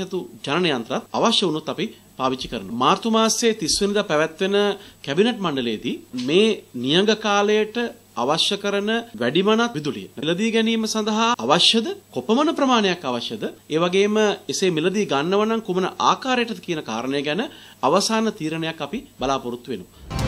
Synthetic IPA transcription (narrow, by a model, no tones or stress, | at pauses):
ɐt̪ud͡ʒanɐnɐjant̪ɾat̪a̰ʋaʃjɐunut̪ːapi | paːʋit͡ʃːikəɾənumaːɾt̪umaːseːt̪isʋənid̪apæʋæt̪ʋenəkæbineʈmaɳɖəlejd̪iːmeːnijɐŋɡəkaːləjəʈə | aʋaʃjɐkəɾənəʋæɖimanat̪ʋid̪ulḭjə̰nɛləd̪iːɡɛniːməsand̪ɐɦaːʋaʃjɐd̪əkopəmɐnəpɾɐmaːnejakːaʋaʃjəd̪əeːʋaɡeːməesemiləd̪iɡanːəʋɐnaŋkumənəʔaːkaːɾejəʈət̪kijənəka̰ːɾənəjəɡɛnəaʋɐsaːnət̪iːɾənejakːapibalaːpuɾut̪ːuʋenuʋ